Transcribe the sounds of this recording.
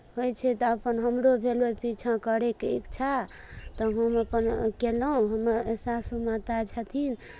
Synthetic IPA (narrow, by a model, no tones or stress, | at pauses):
hojt͡ʃʰɛt̪ɔəpənɦəmɾobʱelopit͡ʃʰãkəɾekḭkt͡ʃʰa | t̪ɔɦəməpənkeləũɦəməɾesasumat̪at͡ʃʰat̪ʰin